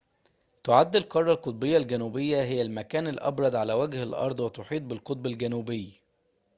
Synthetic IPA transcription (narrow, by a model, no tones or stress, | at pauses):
t̪oʕad̪ːɪlqɑrˤːɑlqot̪̚ˤbɪjːælɡænuːbɪjːæɦɪjːælmækæːnɪlʔɑ̰bɾˤɑd̪ˤʕalæːwæɡhælʔɑ̰ɾˤd̪ˤwɪt̪oħiːt̪̚bɪlqot̪̚ˤbɪlɡænuːbɪjː